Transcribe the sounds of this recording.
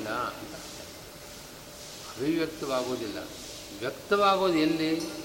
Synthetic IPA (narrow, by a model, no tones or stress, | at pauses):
lːaɐnt̪ant̪ɐ | ɐɾiʋjɐk̚t̪ɐʋaːɡoːd̪ilːɐ̰ | ʋjɐkt̪ɐʋaːɡoːd̪elːi